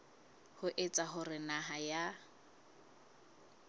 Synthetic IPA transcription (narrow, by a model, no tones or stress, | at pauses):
hʊʔet͡sʼaɦʊrɪnaɦaja